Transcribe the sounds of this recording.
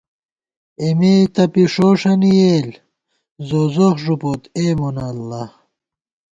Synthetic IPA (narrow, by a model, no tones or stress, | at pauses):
emeːt̪ɐpiʂoːʂɐnijeːl | zoːzoxʐupot̪eːmonɐlːɐ